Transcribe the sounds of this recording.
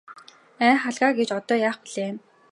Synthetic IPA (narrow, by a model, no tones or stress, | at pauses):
æːχaɮʁaːɡet͡ɕɔt̪ɔːjaːχpiɮ̥eːm